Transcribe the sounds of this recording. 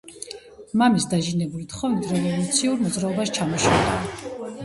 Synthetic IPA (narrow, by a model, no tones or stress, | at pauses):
mamisd̪aʒinɛbulit̪χɔvit̪ʰɾɛvɔlut̪sʰiuɾmɔd̪zɾaɔbaʃt͡ʃʰamɔʃa̰va̰ː